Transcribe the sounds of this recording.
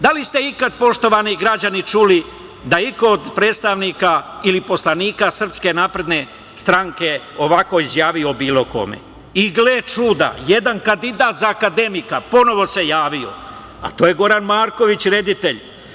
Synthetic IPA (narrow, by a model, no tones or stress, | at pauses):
d̪alist̪e̞ikad̪̚po̞ʃt̪o̞ʋaniɡɾad͡ʑanit͡ʃuli | d̪aikoːd̪pɾe̞ːd̪st̪aʋniːkailipo̞slˠaniːkasr̩pske̞naːpɾe̞d̪ne̞ | st̪ɾaŋke̞ | o̞ʋako̞izjaːʋio̞biːlˠo̞ko̞̰me̞̰ | iɡleːt͡ʃud̪a̰jed̪ankand̪id̪aːt̪zaːkad̪e̞mikapo̞no̞ʋo̞se̞jaːʋio̞̰ | a̰t̪o̞ːje̞ɡo̞ɾanmaːɾko̞ʋit͡ɕɾe̞d̪it̪e̞ʎ